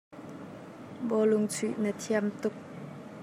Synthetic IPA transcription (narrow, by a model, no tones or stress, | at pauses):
bɔlʊŋt͡sʰyʔnət̪ʰiamt̪ʊk̚